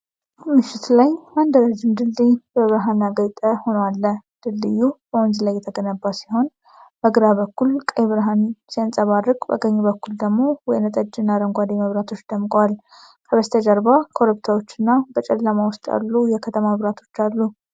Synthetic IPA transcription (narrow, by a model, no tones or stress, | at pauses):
mɨʃːɪt̪lajmand̪əɾad͡ʒɪmd̪ɨlːijbəβɨɾɦanaɡəjt̪ʼəho̞nəwalːəd̪̥ɨlːɨjːub̥əwɔnzlajːɛt̪ʰəɡənəbːasiho̞n | b̥əɡɨɾaβəkːulkʼəjβɨɾɦansinsʼəβarːɨkʼba̰ɡəɲːubəkːuld̪əɡmo̞wɔjnət̪ʼəd͡ʒɨnːaɾəŋɡʷad̪iməβɾat̪ʰo̞t͡ʃːd̪̥əmkʼwal | kʰəβəst̪ʰəd͡ʒəɾbakʰo̞ɾupt̪ʰawot͡ʃːɪnːabət͡ʃʼɛlːəmawʊst̪ʼa̰lːujɛkʰət̪ʰəmaəβɾat̪ʰo̞̥t͡ʃːalːu